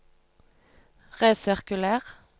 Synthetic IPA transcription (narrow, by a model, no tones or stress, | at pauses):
ʁeːsɪʁkʉlæːʁ